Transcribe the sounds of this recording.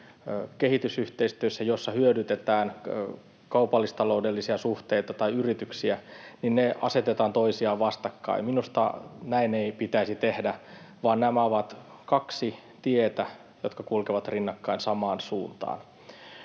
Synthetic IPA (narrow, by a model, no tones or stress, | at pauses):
kehit̪ysyht̪eist̪yøsːæjosːɑhyødyt̪et̪æːn | kɑupɑlːist̪ɑloudelːisiɑsuht̪eit̪ɑt̪ɑiyrit̪yksiæninneʔɑ̰set̪et̪ɑːnt̪oisiɑːʋʋɑst̪ɑkːɑ̰iminust̪ɑ̰næineipit̪æisit̪ehdæ | ʋɑːnnæmæoʋɑt̪ | kɑksi | t̪iet̪æ | jot̪kɑkulkeʋɑt̪rinːɑkːɑinsɑmɑːnsuːnt̪ɑ̰ːn